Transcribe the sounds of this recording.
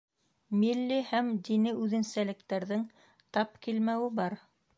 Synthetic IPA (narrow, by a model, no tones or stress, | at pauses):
milːihæmd̪inɘʔʉðɘ̆nsælɘ̆kt̪æɾðɘŋ | t̪ɑp̚kilmæwɘbɑɾ